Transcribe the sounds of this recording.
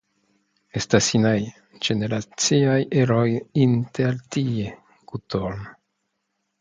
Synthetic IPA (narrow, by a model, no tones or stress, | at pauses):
e̞stasinaj | d͡ʒe̞ne̞ɾat͡siajeɾojinteɾtie | ɡ̥utoɾn